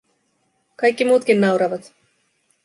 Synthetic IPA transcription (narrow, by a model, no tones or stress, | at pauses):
kɑjkːimuːt̪k̟inːɑwɾɑʋɑt̪